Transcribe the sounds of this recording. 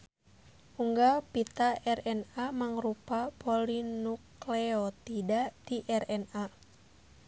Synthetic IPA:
uŋɡapit̪aʔɛrɛnamaŋrupapɔlinuklɛɔt̪idaʔdiʔɛrɛna

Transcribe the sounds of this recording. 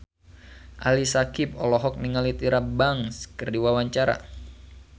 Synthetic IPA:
ʔalisakip̚ɔlɔɦɔk̚niŋalit̪iɾabaŋskɨrdiwawaɲt͡ʃaɾa̰

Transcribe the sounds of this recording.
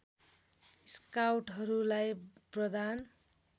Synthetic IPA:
skawʈɦʌɾulajprʌd̪an

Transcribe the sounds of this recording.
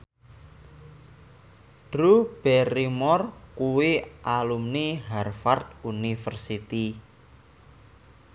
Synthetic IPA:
ɖ̥ɾub̥ɛrimɔrkuweʔalumniɦarfart̪̚unifərsit̪i

